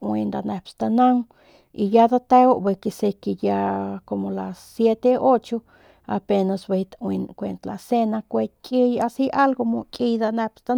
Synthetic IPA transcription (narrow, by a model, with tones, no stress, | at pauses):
ʔwi˧nd̪a˧ne˧pst̪a˧na˦ŋ | i˨jad̪a˦t̪e˦wo˦ʔbe˧ke˧se˧ke˧ja˧ko˧mo˨la˨ssje˦t̪e˦o˦t͡ʃo˦ | a̰˨pe˧na˧sbe˧jt̪awi˧nkʷe˧nt̪la̰˨se˦nakʷe˧t̪̚kʼi˦jasi˦ʔa˦lɡo˧mo˧kʼi˧jd̪a˧ne˧pst̪a˧